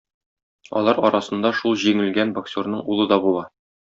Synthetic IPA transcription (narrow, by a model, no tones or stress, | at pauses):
ɒ̰lˠɑɾɒɾɑsɤ̆nd̪ɑʃulˠʑiŋɘ̆lɡænboksʲornɤɴulˠɤd̪ɒbulˠɑ